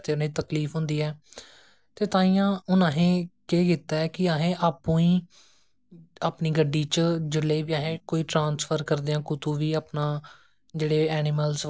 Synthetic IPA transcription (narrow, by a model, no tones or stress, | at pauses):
t̪eːnãit̪əkliːfʰɦʊ̃nd̪iːɛː | t̪eːt̪ãːĩːãːʊnãːɦẽːkeːɡɪt̪ːaːɛːkɪaːɦẽːʔaːpːũːiː | aːpniːɡəɖːiːt͡ʃd͡ʒɪlːeːʋiːaːɦẽːkoːiːʈɾãːnsfʰəɾkəɾd̪eːãːkʊt̪uːʋiːaːpnãː | d͡ʒeːɽeːɛːnɪməls